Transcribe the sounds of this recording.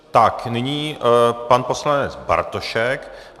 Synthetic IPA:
t̪aknɪɲiːpanposlanɛt͡sba̰ɾt̪oʃɛk

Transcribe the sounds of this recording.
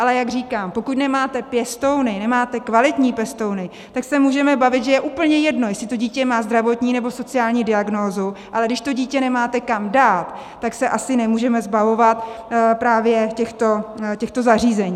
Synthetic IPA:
ʔalɛjaɡriːkaːmpo̞kut̪nɛmaːt̪ɛpjɛst̪o̞wnɪnɛmaːt̪ɛkvalɪt̪ɲiːpɛst̪o̞wnɪ | t̪aksɛmuːʒɛmɛbavɪt̪ʒɛjɛʔuːpl̩ɲɛjɛdno̞jɛsɪt̪o̞ɟiːcɛmaːzd̪ɾavo̞t̪ɲiːnɛbo̞so̞t͡sɪaːlɲiːdɪaɡnoːzuʔalɛɡdɪʃt̪o̞ɟiːcɛnɛmaːt̪ɛkamdaːt̪ː | aksɛʔasɪnɛmuːʒɛmɛzbavo̞vat̪pɾaːvjɛcɛxt̪o̞cɛxt̪o̞zar̝iːzɛɲiː

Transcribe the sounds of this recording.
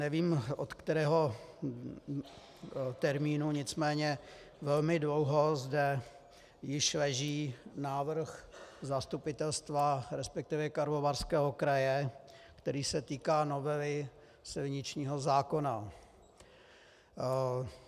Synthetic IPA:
nɛviːmʔot̪kt̪ɛɾɛːɦo̞ | t̪ɛɾmiːnuɲɪt͡smɛːɲɛ | vɛlmɪdlowɦo̞zdɛ | jɪʃlɛʒiːnaːvr̩xzast̪upɪt̪ɛlst̪vaɾɛspɛk̚t̪ɪvjɛkaɾlovaɾskɛːɦokɾajɛkt̪ɛɾiːsɛt̪iːkaːnovɛlɪ | sɪlɲɪt͡ʃɲiːɦozaːko̞na

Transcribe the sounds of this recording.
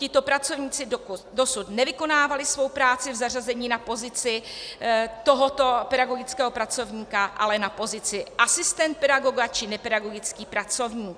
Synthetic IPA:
cɪt̪o̞pɾat͡so̞vɲiːt͡sɪdosut̪nɛvɪko̞naːvalɪsvo̞wpɾaːt͡sɪvzar̝azɛɲiːnapo̞zɪt͡sɪ | t̪o̞ɦot̪o̞pɛdaɡo̞ɡɪt͡skɛːɦo̞pɾat͡so̞vɲiːkaʔalɛnapo̞zɪt͡sɪʔasɪst̪ɛnt̪̚pɛdaɡo̞ɡat͡ʃɪnɛpɛdaɡo̞ɡɪt͡skiːpɾat͡so̞vɲiːk

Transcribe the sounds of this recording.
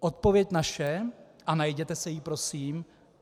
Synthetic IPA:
ʔo̞t̪̚po̞vjɛcnaʃɛ | ʔanajɟɛt̪ɛsɛjipɾo̞siːm

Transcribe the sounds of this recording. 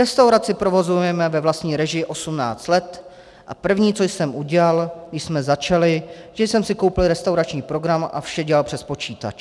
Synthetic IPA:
ɾɛst̪awɾat͡sɪpɾo̞vo̞zujɛmɛvɛvlast̪ɲiːɾɛʒɪjʔo̞sumna̰ːt͡st̪lɛt̪ | ʔa̰pr̩vɲiːt͡so̞jsɛmʔuɟɛlaljsmɛzat͡ʃalɪʒɛjsɛmsɪko̞wpɪlɪɾɛst̪awɾat͡ʃɲiːpɾo̞ɡɾamʔa̰fʃɛɟɛlalpr̥ɛspo̞t͡ʃiːt̪a̰t͡ʃ

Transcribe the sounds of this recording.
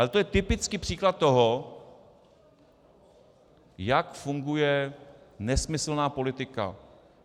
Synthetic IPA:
alɛt̪o̞jɛt̪ɪpɪt͡skipr̥iːklat̪̚t̪ːoɦo | jakfuŋɡujɛ | nɛsmɪsl̩naːpo̞lɪt̪ɪka̰

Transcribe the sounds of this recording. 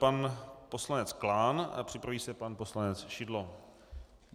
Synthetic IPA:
panpo̞slanɛt͡sklaːna̰pr̝̥ɪpɾaviːsɛpanpo̞slanɛt͡sʃɪdlo

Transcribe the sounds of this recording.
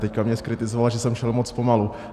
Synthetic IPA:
t̪ɛckamɲɛskɾɪt̪ɪzovalaʒɛsɛmʃɛlmot͡spomalu

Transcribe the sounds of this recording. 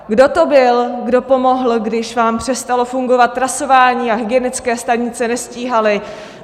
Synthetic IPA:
ɡdo̞t̪o̞bɪlɡdo̞po̞mo̞ɦl̩ɡdɪʃvaːmpr̝̥ɛst̪alo̞fuŋɡo̞vat̪ːɾaso̞vaːɲiːaɦɪɡɛnɪt͡skɛːst̪aɲɪt͡sɛnɛsciːɦalɪ

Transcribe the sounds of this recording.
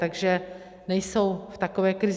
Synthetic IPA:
t̪aɡʒɛ | nɛjso̞wft̪akovɛːkɾɪz

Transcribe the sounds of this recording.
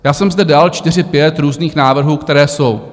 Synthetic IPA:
jaːsɛmzdɛdaːlt͡ʃt̪ɪr̝ɪpjɛt̪ɾuːzniːxnaːvr̩ɦuːkt̪ɛɾɛːso̞w

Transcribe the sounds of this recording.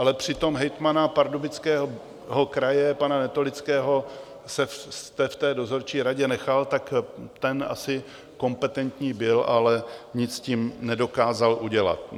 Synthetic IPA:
ʔalɛpr̝̥ɪt̪o̞mɦɛjt̪manapaɾdobɪt͡skɛːɦo | ɦo̞kɾajɛpananɛt̪olɪt͡skɛːɦo̞ | sɛst̪ɛft̪ɛːdo̞zo̞ɾt͡ʃiːɾaɟɛnɛxalt̪akt̪ɛna̰sɪ | ko̞mpɛt̪ɛnt̪ɲiːbɪlʔalɛɲɪt͡scimnɛdo̞kaːzalʔuɟɛla̰t̪

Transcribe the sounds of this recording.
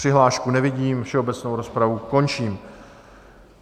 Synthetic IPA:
r̥ɪɦlaːʃkunɛvɪɟiːmfʃɛo̞bɛt͡snowɾo̞spɾavuko̞nt͡ʃiːm

